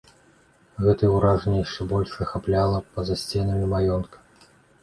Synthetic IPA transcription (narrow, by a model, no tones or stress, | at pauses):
ɣɛt̪ɐwɾaʐnʲɛjaʂt͡ʂɛbɔlʲʂɐxaplʲalˠɐpɐzɐsʲt͡sʲɛnɐmʲimajɔnkɐ̥